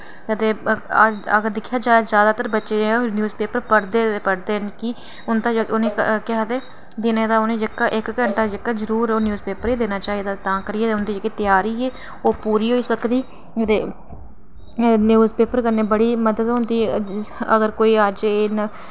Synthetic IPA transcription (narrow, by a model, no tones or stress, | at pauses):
kəd̪eːəd͡ʒəɡəɾd̪ɪkʰːjaːd͡ʒaːezjaːd̪aːt̪əɾbətːʃenjuːzpeːpəɾpəɽd̪eːpəɽd̪eːənki | ʊnt̪ãːd͡ʒəʊnẽːkkɪat̪eː | d̪ɪneːd̪aːʊnẽːd͡ʒɪkːaːʔɪkkəɳʈaːd͡ʒɪkːaːzəɾuːɾoːnjuːzpeːpəɾiːd̪eːnaːt͡ʃaːiːd̪aːt̪ãːkəɾieːt̪ːʊnd̪iːd͡ʒekːeːt̪jaːɾiːeː | oːpuːɾiːɦoːiːsəkd̪iː | ət̪eː | njuːzpeːpəɾkəɾneːbəɽiːməd̪əd̪ɦʊ̃nd̪iːəɡəɾkoːiːəd͡ʒena